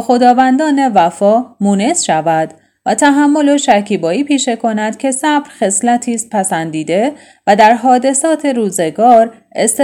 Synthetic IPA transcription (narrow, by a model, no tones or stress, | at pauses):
xo̞d̪ɒːvænd̪ɒːne̞væfɒːmuːne̞sʃævæd̪ | væt̪ʰæɦæmːo̞loʃæɾcʰiːbɒːiːpʰiːʃe̞kʰo̞næd̪̥cʲʰe̞sæbɾxe̞slæt̪ʰiːs̚pʰæsænd̪iːd̪e̞ | væd̪æɾɦɒːd̪e̞sɒːt̪ʰe̞ɾuːze̞ɡɒːɾ | est̪